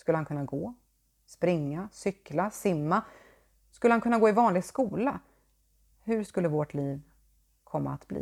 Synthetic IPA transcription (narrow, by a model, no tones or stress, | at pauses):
skɵlːəhankʰɵnːaɡoː | spɾɪŋːasʏklasɪmːa | skɵlːəankɵnːaɡoːɪvɑːnlɪɡskuːla | hɵʂkɵlːəvɔʈliːv | kʰɔmːa̰a̰t̪blḭː